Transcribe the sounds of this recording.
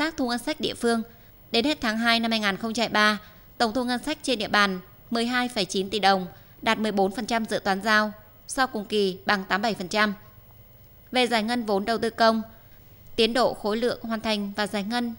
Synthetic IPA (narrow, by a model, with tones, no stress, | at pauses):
t̪aː˦˥k̚t̪ʰu˧ŋə˧nsa˦˥k̚ɗḭ˧əfɨ˧əŋ | ɗe˨˦nhe˦˥t̚t̪ʰaː˨˦ŋɦaː˧jna˧mhaː˧jŋaː˨˩nxə˧ŋ͡mt͡ɕa˧hjɓaː˧ | t̪ə˧˩wŋ͡mt̪ʰu˧ŋə˧nsa˦˥k̚t͡ɕe˧nɗḭ˧˨əɓaː˨˩n | mɨ˨˩əjɦaː˧jfə˧˩jt͡ɕi˨˦nt̪i˧˨˩ɗə˨˩wŋ͡m | ɗaː˨˩t̚mɨ˨˩əjɓo˨˦nfə˨˩nt͡ɕa˧mzɨ̰˧˨t̪waː˨˦nzaː˧w | sɔ˧wkʊ˨˩ŋ͡mki˨˩ɓa˨˩ŋt̪aː˨˦mɓa˧˩jfə˨˩nt͡ɕa˧m | ve˨˩zaː˨˧˩jŋə˧nvo˨˦nɗə˨˩wt̪ɨ˧kə˧wŋ͡m | t̪i˨˦ənɗo̰˧˨xo˨˦jlɨ̰˧˨əŋɦwaː˨˩nt̪ʰa˨˩jŋ̟vaː˨˩zaː˨˩jŋə˧n